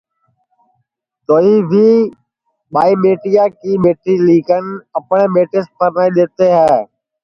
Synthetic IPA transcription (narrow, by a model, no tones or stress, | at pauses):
t̪oːɦiːʋiː | ɓaːiːɓeːʈijaːkiːɓeːʈʰiːliːkənɪ̆əpɳ̃eːɓeːʈɪspʰəɾnaːĩɗ̪eːt̪eːɦaː